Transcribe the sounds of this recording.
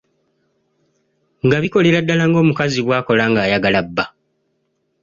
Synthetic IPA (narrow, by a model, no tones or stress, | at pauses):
ŋɡaβiko̞le̞ɾadːalaŋɡo̞ːmukaziβwaːko̞laːŋɡaːjaɡalabːa